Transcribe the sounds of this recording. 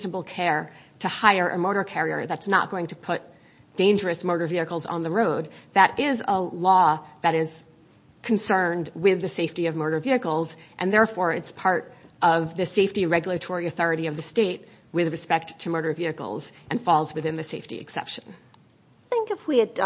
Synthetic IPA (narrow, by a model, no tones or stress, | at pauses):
znəbl̩ˠkʰɛɹɾɨhaɪə˞ʔɨ̰moʊɾə˞kʰɛɹiə̰˞ðɨtsnə̰t̚ɡ̥oʊɪ̃ŋtʰɨpʰʊt̚ | d̥ẽɪ̃nd͡ʒə˞ɨsmoʊɾə˞viɨkl̩ˠzn̩ðəɹoʊd̪̚ðɨɾʔɪzəlɔðɨɾɪz̥ | kʰn̩sɜ̃˞ndwɪðɨseɪftiʌvmoʊɾə˞viɨkl̩ˠzʔɨ̃nðɛɹfɔɹɨtspʰɑɹɾʔʌvðɨseɪftiɹɛɡjl̩ˠɨtʰɔɹiɨθɔɹɨɾiʌvðɨsteɪt̚ | wɪðɹɨspɛk̚tʰɨmoʊɾə˞viɨkl̩ˠzʔɨ̃nfɔlˠzwɨðɪ̃nðɨseɪftḭɨ̰ksɛ̰pʃɨ̃n | θɪ̃ŋkɨfwiɨd